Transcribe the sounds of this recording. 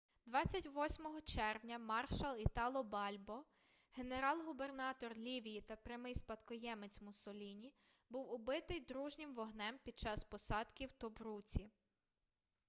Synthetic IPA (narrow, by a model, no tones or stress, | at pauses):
d̪ʋɑt͡sʲːɐtʲʋɔsʲmɔɦɔt͡ʃɛrʋnʲɐmɑrʃɐlˠit̪ɑlˠɔbɑlʲbɔ | ɦe̞ne̞ɾɑlˠɦube̞rnɑt̪ɔrlʲiʋʲijit̪ɐpɾʲɐmɪjspɐt̪kɔjɛmet͡sʲmʊsɔlʲinʲi | buwʊbɪt̪ɪjd̪ɾuʒnʲɪmʋɔɦnɛmpʲid̪̚t͡ʃɑspɔsɑd̪kʲiwt̪ɔbɾut͡sʲi